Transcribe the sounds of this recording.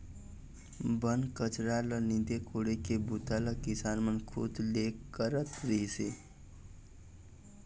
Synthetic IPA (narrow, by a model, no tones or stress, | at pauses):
bənkət͡ʃɾalənind̪ekʰoɽekebut̪aləkisanmənkʰṵt̪lekəɾət̪ɾəɦise